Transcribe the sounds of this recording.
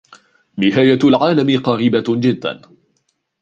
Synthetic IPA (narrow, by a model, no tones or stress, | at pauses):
nɪɦaːjalʕaːlamɪqɑɾiːbad͡ʒɪd̪ːa̰n